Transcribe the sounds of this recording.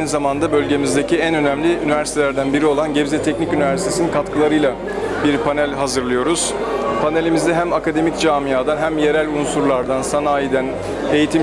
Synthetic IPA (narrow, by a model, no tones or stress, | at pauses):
ajnizamand̪abø̞lʲɟe̞mizd̪e̞cʰiænø̞næmlʲiynivæɾsi̥t̪ʰeæɾd̪ænbiɾio̞lˠanɟebzɛt̪ʰɛcnicynivæɾsi̥t̪ʰesininkʰat̪kʰɯlˠaɾɯjlˠa | biɾpʰanælʲɦazɯɾlˠɯjo̞ɾuz̥ | pʰanelʲimizd̪ɛɦæmakad̪e̞micd͡ʒaːmijaːd̪anɦæmje̞ɾælʲunsuɾlˠaɾd̪ansanaːjid̪æn | e̞jit̪ʰim